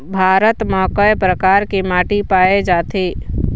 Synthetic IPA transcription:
bʱaːɾət̪mɔːkəpɾəkaːɾkimaːʈipaːed͡ʒaːt̪ʰeː

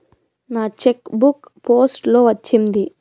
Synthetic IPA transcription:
naːt͡ʃekbuk | poːsʈlo̞ːʋɐt͡ʃːind̪i

